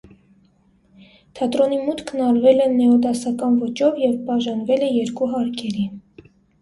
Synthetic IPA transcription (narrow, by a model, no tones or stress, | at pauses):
t̪ʰɑt̪ɾɔnimut̪kʰnɑɾvɛlɛnɛɔd̪ɑsɑkɑnvɔt͡ʃɔvjɛvbɑʒɑnvɛlɛjɛɾkuɦɑɾkʰɛɾi